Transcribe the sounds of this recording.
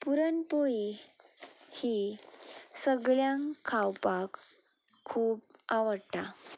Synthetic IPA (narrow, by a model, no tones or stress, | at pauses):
puɾənpoi | hi | səɡɭjãŋkʰawpakʰː | uːpaʋəɽta